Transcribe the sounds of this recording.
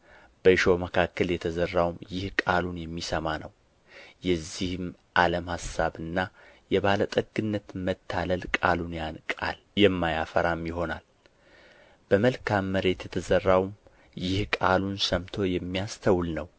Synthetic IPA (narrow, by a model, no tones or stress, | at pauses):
b̥əʃo̞məkʰakːəljɛt̪ʰəzərːawmjɪhkʼalunjɛmːisəmanəw | jɛzːihɨm | ʔaləmhasːaβɨnːajɛβalət̪ʼəɡɨnːət̪mət̪ʰːaləlkʼalunjankʼa̰l | jɛmːajafəɾamjɪɦo̞na̰l | b̥əməlkʰamːəɾe̞t̪jɛt̪ʰəzərːawm | jɪhkʼalunsəmt̪ʰo̞jɛmːijast̪ʰəwlnəw